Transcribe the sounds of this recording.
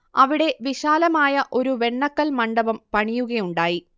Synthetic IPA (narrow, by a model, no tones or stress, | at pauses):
ɐʋiɽe̞ʋiɕaːlɐmaːjɐʔo̞ɾuʋe̞ɳːɐkːɐlmɐɳɖɐʋɐmpɐɳijuɣɐjuɳɖaːji